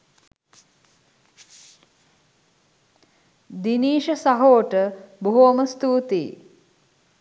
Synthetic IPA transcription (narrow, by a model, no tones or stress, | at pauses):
d̪iniːʃəsaɦoːʈəbuɦoːməst̪uːt̪ḭː